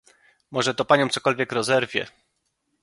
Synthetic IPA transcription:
mɔʐɛt̪ɔpaɲɔ̃wmt̪sɔkɔlvʲjɛkɾɔzɛɾvʲjɛ̰

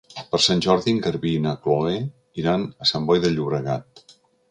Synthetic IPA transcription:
pəɾsanʲʒɔɾðiŋɡəɾβinəkloɣe | iɾanəsambɔjðəʎːuβɾəɣa̰t̪̚

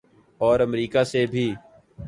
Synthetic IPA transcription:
ɔːɾəmɾiːkasebʱiː

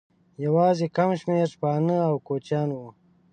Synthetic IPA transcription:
jawɑːzekamʃmeɾpɑːnəawkot͡ʃjɑːnwu

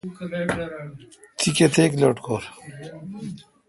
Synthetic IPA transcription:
t̪ʰiket̪ʰeːkloːʈkʰoːɾ

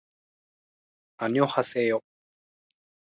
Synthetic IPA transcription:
aɲiohaseːjo

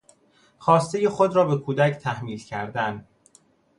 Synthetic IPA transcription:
xɒːst̪eje̞xod̪ɾɒːbe̞kʰuːd̪æct̪ʰæhmiːlcʰæɾd̪æn

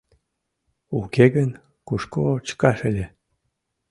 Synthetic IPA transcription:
ukeɡən | kuʃkot͡ɕkɑʃəlʲe

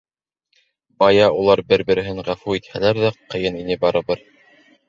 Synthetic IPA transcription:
bɑjɑulˠɑɾbɘɾbɘ̆ɾɘ̆ɦɘɴʁæfuit̪hælæɾðæqɤ̆jɤninɘbɑɾɤ̆βɤɾ

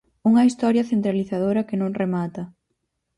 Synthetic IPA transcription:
uŋɐist̪ɔɾjɐθent̪ɾaliθaðoɾɐkɪnõŋremat̪ɐ

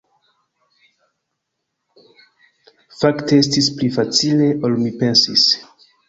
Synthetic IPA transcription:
faktees̬tisplifat͡sile̞ʔo̞lmipe̞nsis

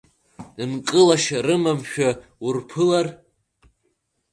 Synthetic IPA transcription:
ɨnkʼɨlaʃaɾɨmamʃᶣaurpʰɨlar

